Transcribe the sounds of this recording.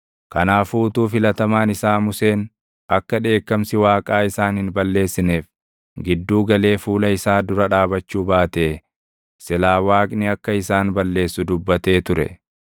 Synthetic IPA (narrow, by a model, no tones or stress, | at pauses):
kɐnaːfuːt̪uːfɪlɐt̪ɐmaːnɪsaːmʊse̞ːn | ʔɐkːɐᶑe̞ːkːɐmsɪwaːkʼaːɪsaːnhɪnbɐlːe̞ːsːɪneːf | ɡɪd̪ːuːɡɐle̞ːfuːlɐɪsaːd̪ʊɾɐᶑaːbɐt͡ʃːuːbaːt̪eː | sɪlaːwaːkʼnɪɐkːɐɪsaːnbɐlːe̞ːsːʊd̪ʊbːɐt̪e̞ːt̪ʊɾɛ̰